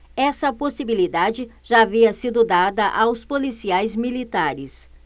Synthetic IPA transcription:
ɛsɐposibilid̪ad͡ʒɪʒ̥aːviɐsid̪ʊd̪ad̪ɐʔawspolisiajzmilit̪aɾɪs

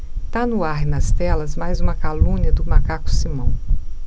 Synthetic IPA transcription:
t̪anʊaɾɪnɐst̪ɛlɐzmajzũmɐkalũnɐd̪ʊmakakʊ̥simɐ̃w̃

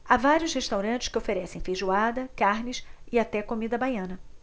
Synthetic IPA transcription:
avaɾjʊsheʃt̪awɾɐ̃nt͡ʃɪ̥skɪofeɾɛsẽj̃feʒuad̪ɐkaɾnɪsɪat̪ɛkomid̪ɐbajɐ̃nɐ

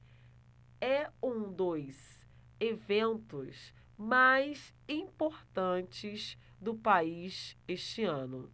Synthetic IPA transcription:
ɛũd̪ojz | evẽnt̪ʊs | majs | ĩpoɾt̪ɐ̃t͡ʃɪz | d̪ʊpaizeʃt͡ʃɪɐ̃nʊ

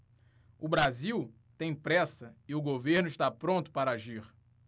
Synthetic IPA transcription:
ʊbɾaziw | t̪ẽj̃pɾɛsɐɪʊɡoveɾnʊiʃt̪apɾõnt̪ʊ̥paɾaʒiɾ

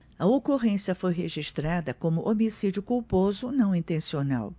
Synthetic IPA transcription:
ɐokoʁẽsiɐfojɦeʒiʃt̪ɾad̪ɐkõmʊʔomisid͡ʒjʊkuwpozʊnɐ̃w̃ĩnt̪ẽsiona̰w

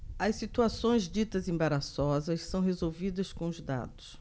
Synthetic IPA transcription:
ɐssit̪uasõj̃zd͡ʒit̪ɐzẽbaɾasɔzɐssɐ̃w̃ɦezowvid̪ɐskõʊzd̪a̰d̪ʊs

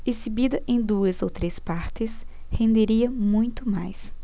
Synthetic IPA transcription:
ezibid̪ɐʔẽj̃d̪uɐzowt̪ɾespaɾt̪ɪs | hẽnd̪eɾiɐmũj̃t̪ʊma̰js

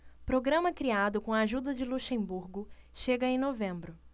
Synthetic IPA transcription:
pɾoɡɾɐ̃mɐkɾiad̪ʊkõɐaʒud̪ɐd͡ʒɪluʃẽbuɾɡʊʃeɡɐẽnovẽmbɾʊ

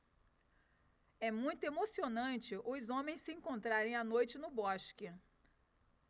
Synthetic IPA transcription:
ɛmũj̃t̪ʊemosionɐ̃nt͡ʃɪʔʊzõmẽj̃sɪẽŋkõnt̪ɾaɾẽj̃anojt͡ʃɪnʊbɔʃkɪ

